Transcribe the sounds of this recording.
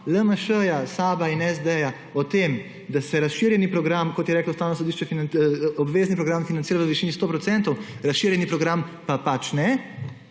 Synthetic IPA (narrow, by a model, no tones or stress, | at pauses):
ləməʃəjasaːbainɛzd̪eja | ɔt̪eːm | d̪asɛɾasʃiɾjɛnipɾɔɡɾamkɔt̪jɛɾɛːklawst̪aːwnɔs̬ɔd̪iːʃt͡ʃɛfinɔbʋeːznipɾɔɡɾamfinansiːɾaʋəʋiʃiːnist̪oːpɾɔt̪sɛnt̪ɔwɾasʃiːɾjɛnipɾɔɡɾampapat͡ʃnɛ